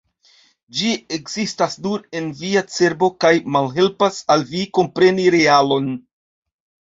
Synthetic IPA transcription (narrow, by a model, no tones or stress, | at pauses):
d͡ʒiekz̥istasduɾe̞nviat͡se̞ɾbo̞kajmalɦe̞lpasalviko̞mpɾe̞niɾe̞alo̞n